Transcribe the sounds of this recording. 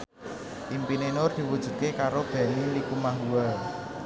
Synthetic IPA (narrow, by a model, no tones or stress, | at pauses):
ʔimpinenʊrd̪̥i̤wud̥ʒ̥ṳd̪̚kekaɾob̥a̤nilikumaɦuwal